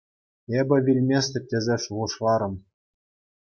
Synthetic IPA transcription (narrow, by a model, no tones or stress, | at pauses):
ebʲɘ̆ʋʲilʲmʲesʲt̪ʲɘ̆tʲːĕzʲeʂuʁɤ̆ʂlˠɑɾɤ̆m